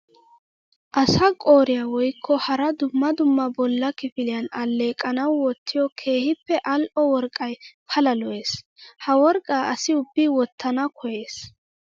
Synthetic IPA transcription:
ʔɐsɐkʼoːɾɪjawɔjkʰːɔhɐɾɐd̪ʊmːɐd̪ʊmːɐbɔlːɐkɪfɪlɪjɐnɐlːe̞ːkʼːɐnɐwːɔt̪ʰːɪjɔkʰe̞ːhɪpːɛʔɐlʔɔwɔɾkʼːɐjpʰɐlɐlɔʔe̞ːs | hɐwɔɾkʼːaːʔɐsɪʊbːɪwɔt̪ʰːɐnɐkʰɔje̞ːs

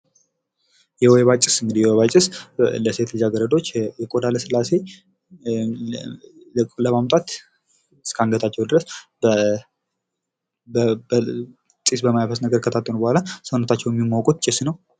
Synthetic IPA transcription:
jɛoeβat͡ʃʼɪsɨŋɡɨd̪ijɛweβat͡ʃʼɪsləse̞t̪lɨd͡ʒaɡəɾəd̪o̞t͡ʃːjɛkʼo̞d̪aləsɨlːase̞ | kʼləmamt̪ʼat̪ | ɨskʰaŋɡət̪ʰat͡ʃːɛwd̪ɨɾəs | ə | bb | sʼisbəmajfəsnəɡəɾkʰət̪ʰat̪ʼːənubəhʷalasəwnət̪ʰat͡ʃːɛwjɛmːimakʼut̪t͡ʃʼɪsnəw

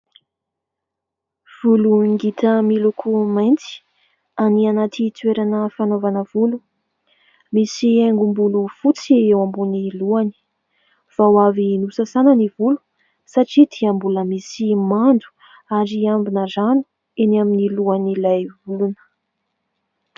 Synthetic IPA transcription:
v̥uluiŋɡit̪əmilukʰumajnt͡si̥ | anianat̪it̪weɾanəfanovanəvulu | misieŋɡumbulufut͡siewambuniluani̥ | v̥awavinusasanənivulu̥ | saʈ͡ʂid̪̥iəmbuləmisimand̪u̥ | aɾiambinəzanu̥ | enaminiluanilajvulunə̥

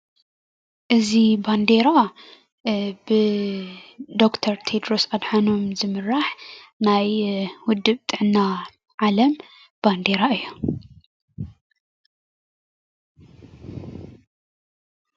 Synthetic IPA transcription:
ʔɨziband̪eɾa | bɨ | d̪o̞kt̪ʰɐɾt̪ʰed̪ɾo̞sad̪ħano̞mzɨmɨɾaħnajwʊd̪ːɨβt̪ʼɨʕnːa | ʕalɐm | b̥and̪e̞ɾaɨjːu

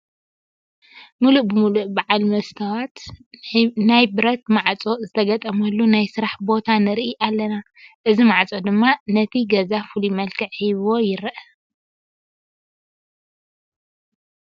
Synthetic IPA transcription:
muluʔbɨmuluʔbaʕalmɐst̪ʰɐwat̪ | najbɨɾɐt̪̚maʕt͡sʼo̞zɨt̪ʰɐɡɐt̪ʼɐmɐlːunajsɨɾaħbo̞t̪ʰanɨɾʔiʔalːɐna | ʔɨzimaʕt͡sʼod̪ɨmːanɐt̪ʰiɡɐzafulimɐlkʰɨʕhiβwo̞jɪɾʔɐ

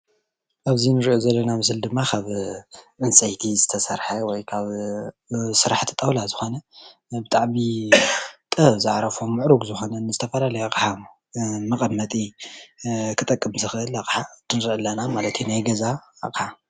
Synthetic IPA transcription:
ʔaβzinɨɾiʔozɐlːɐnamɨs̬ɨld̪ɨmːakʰaβʔɨnsʼɐjt̪ʰizɨt̪ʰɐsɐɾħɐwɔjkʰaβ | sɨɾaħt̪ʰi̥t̪ʼɐwlazɨxo̞nɐ | bɨt̪ʼaʕmi | t̪ʼɨβzɨʕɾɐfomːɨʕɾuɡzɨxo̞nɐnːɨzɨt̪ʰɐfɐlalɐjaqʼɨħa | mɐqʼɐmːɐt̪ʼi | kʰɨt̪ʼɐkʼːɨmzɨxɨʔɨlakʼħat̪ʰɨnɾɨʔɨlːɐnamalɐt̪jinajɡɐza̰qʼħa

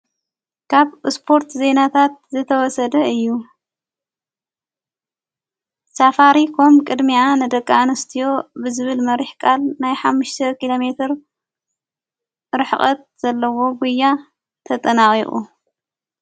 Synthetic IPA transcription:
kʰaβspʰo̞ɾt̪ze̞nat̪ʰat̪̚zɨt̪ʰɐwɔsɐd̪ɐɨjːu | safaɾikʰo̞mkʼɨd̪mianɨd̪ɐkʼːaanɐst̪ʰijo̞bɨzɨβɨlmɐɾiħkʼalnajħamːɨʃt̪ʰɐkilo̞me̞t̪ʰɨɾ | ɾɨħχʼɐt̪̚z̥ɐlːɐwo̞ɡʷujːa | t̪ʰɐt̪ʼɐnaχʼiχʼṵ

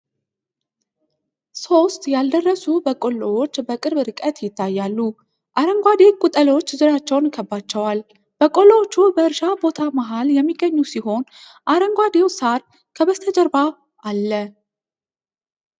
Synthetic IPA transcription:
so̞st̪jald̪ərːəsubəkʼo̞lːowot͡ʃːbəkʼɨɾβɨɾɨkʼət̪jɪt̪ʰːajːalːu | ʔaɾəŋɡʷad̪e̞wkʼut̪ʼəlot͡ʃːzɨɾat͡ʃːɛwnkʰəbːat͡ʃːɛwal | b̥əkʼolːowot͡ʃːubəɨɾʃabo̞t̪ʰamaɦaljɛmːiɡəɲːusiho̞n | ʔaɾəŋɡʷad̪e̞wsaɾ | kʰəβəst̪ʰəd͡ʒəɾba | alːə

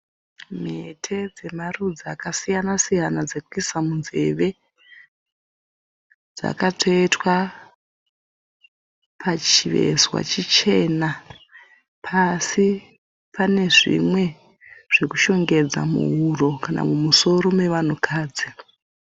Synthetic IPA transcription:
metʰe̞d͡ze̞marud͡zakasijanasijanad͡zekuisamunze̞̰ʋe̞ | d͡za̰katʰo̞etwa | pʰat͡ʃiʋe̞̰zwa̰t͡ʃit͡ʃe̞ːna | pʰasi | pane̞ʐḭmwe̞ | ʐ̥e̞ku̥ʃo̞ŋɡe̞d͡za̰mṵɦuro̞kana̰mumuso̞ɾome̞ʋan̤ukʰaːd͡zi

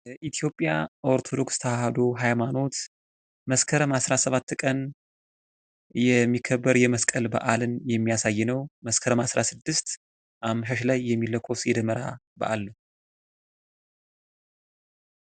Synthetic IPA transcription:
ʔit̪ʰijo̞pʼjaʔo̞ɾt̪ʰo̞d̪o̞kst̪ʰəwahad̪o̞ɦajmano̞t̪ | məskʰəɾəmasɾasəβat̪ːkʼən | jɛmːikʰːəbːəɾjɛməskʼəlbə̰ʔalɨnjɛmːijasajːnəwməskʰəɾəmasɾasɨd̪ːɨst̪ | ʔamʃəʃlajːɛmːiləkʰo̞sjɛd̪əməɾabə̰ʔalː

